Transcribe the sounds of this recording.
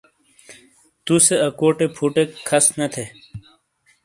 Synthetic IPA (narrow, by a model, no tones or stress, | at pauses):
t̪useɐkoːʈepʰuːʈekʰɐsnɐt̪ʰe